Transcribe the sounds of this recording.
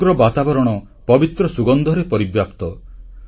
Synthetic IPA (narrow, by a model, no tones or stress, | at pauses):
ɾɔbat̪abɔɾɔɽ̃ɔ | pɔbit̪ɾɔsuɡɔnd̪ʱɔɾepɔɾibjapt̪ɔ